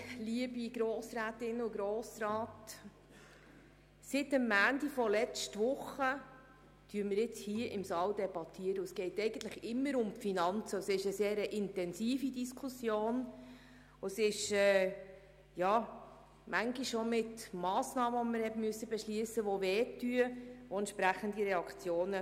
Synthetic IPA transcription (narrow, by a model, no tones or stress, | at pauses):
liəbiɡɾoːsɾæːtɪnʊɡɾoːsɾɑːt | sɪtəmːæːndifɔlɛt͡ʃtʋʊχə | tyːməɾjɪt͡shiəʔɪmsɑːldɛbɑt̪ʰiːəɾəʊsɡ̥ɛɪtɛɪɡən̩t̪ləχɪmːəɾʊmfinɑnt͡səʊsɪʃəseːɾəʔɪntɛnsiːfidiskʰusjoːn | osɪʃɛː | jɑː | mæŋɡiʃʃomɪtmɑːsnɑːməoməɾhɛtmyəsːəbɛʃliəsəʋoʋɛːtːyəʋoɛntʃpɾæχəndiɾɛɑkt͡sjoːnə